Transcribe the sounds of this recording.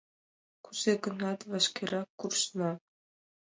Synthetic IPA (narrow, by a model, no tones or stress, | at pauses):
kuzeɡɤ̆nɑt̪ʋɑʃkʲeɾɑkːurʃnɑ